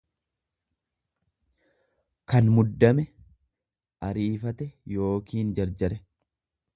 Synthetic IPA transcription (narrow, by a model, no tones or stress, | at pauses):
kɐnmʊd̪ːɐmɛ | ʔɐɾiːfɐt̪ɛjo̞ːkiːnd͡ʒɐɾd͡ʒɐɾɛ